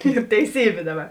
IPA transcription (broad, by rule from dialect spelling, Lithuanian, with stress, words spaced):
iːr tʲɛɪˈsʲiːbʲeː ˈdɑːˌbɐ